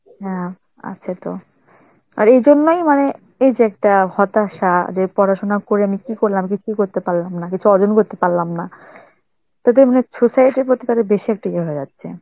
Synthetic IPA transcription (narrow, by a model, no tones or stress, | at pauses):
ɦɛ̃ | a̰tːɕʰat̪o̰ | a̰ɾejd͡ʑonːojmane | ejd͡ʑeɛk̚ʈahɔt̪aʃad͡ʑepɔɾaʃonakoɾeamikikoɾlamik̬it͡ɕʰujkoɾt̪epaɾlamnakit͡ɕʰuɔd͡ʑonkoɾt̪epaɾlamna | t̪ad̪eɾmanesʰosajeʈeɾpɾot̪ikaɾebeʃiɛk̚ʈikeɦoed͡ʑatːɕʰḛ